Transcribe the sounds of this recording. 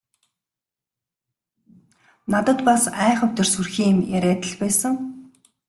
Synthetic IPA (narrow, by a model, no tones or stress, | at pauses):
nat̪ə̆t̪pasæːχə̆wt̪ɵ̆rsurxiːmjæɾʲæːt̪ə̆ɮpæːsə̆ŋ